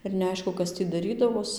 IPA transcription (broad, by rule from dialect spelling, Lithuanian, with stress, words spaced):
ɪr nʲɛˈɐɪʃkʊ ˈkɐs tʲiː dɐˈrʲiːdɐʋoːs